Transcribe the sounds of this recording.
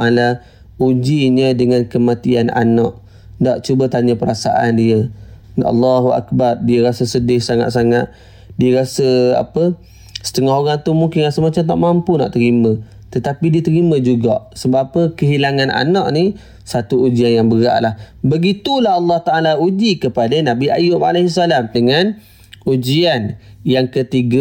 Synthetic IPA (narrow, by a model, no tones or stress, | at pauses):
aʔala | ud͡ʒiɲədəŋankəmat̪iana̰naʔ | ndaʔt͡ʃubat̪aɲəpəɾasa̰ʔandiə | ɑ̰lːaɦuʔa̰k̚bardiəɾasəsədɪhsaŋa̰t̪saŋat̪̚ | diəɾasəa̰pə | sə̥t̪əŋɔhɦoɾaŋt̪umuŋkɪnasəmat͡ʃamt̪a̰ʔmampuna̰ʔt̪əɾimə̃ | t̪ət̪apidiət̪əɾimə̃d͡ʒuɡa̰ʔsəbaapəkəɦilaŋanʔa̰naʔni | sat̪uud͡ʒianjaŋbəɾa̰ʔlahbəɡit̪ulahɑlːɑht̪aʔalaud͡ʒikəpadanabiʔa̰jʊma̰lehisalamdəŋan | ud͡ʒianjaŋkət̪iɡa